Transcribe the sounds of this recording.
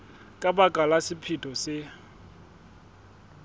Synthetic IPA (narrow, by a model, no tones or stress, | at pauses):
kʼabakʼalasɪpʰitʼɔsɪ